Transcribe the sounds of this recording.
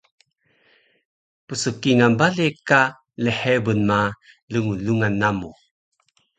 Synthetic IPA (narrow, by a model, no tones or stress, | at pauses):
pəsəkiŋanbaleka | ləħebənma | ləŋuluŋanːamu